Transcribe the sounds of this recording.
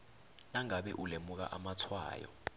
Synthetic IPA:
naŋaɓɛ̰ʔulemuk̬a̰ʔamatʰwa̰ːjɔ̰

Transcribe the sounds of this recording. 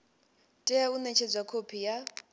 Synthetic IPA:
tʼɛjaunɛt͡ʃʰɛd͡zwakʰopʰija

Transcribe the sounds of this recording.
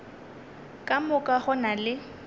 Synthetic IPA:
kʼamʊkʼaχʊnalɪ

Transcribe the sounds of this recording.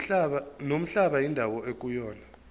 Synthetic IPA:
nom̩ɬaɓajindʱawɔek̬ujɔːna

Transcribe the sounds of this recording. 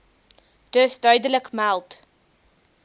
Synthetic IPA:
d̥əsdœɥdələkmælˠt

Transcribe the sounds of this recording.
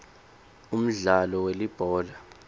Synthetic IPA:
um̩ɮalɔwelib̥ʱɔːla

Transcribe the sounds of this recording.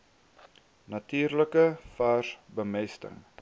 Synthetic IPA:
nɐtiːrləkəfaːrbəmɛstə̰ŋ

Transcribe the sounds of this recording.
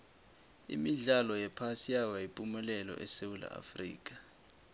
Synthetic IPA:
ḭmiɮalɔjɛpʰasijawajipʼumɛlɛlɔ̰ʔɛsewula̰ʔa̰frḭːk̬ʼḁ

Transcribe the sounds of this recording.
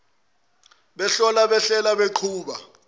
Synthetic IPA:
ɓɛɬɔlaɓɛɬɛlaɓeǃʰuːɓa

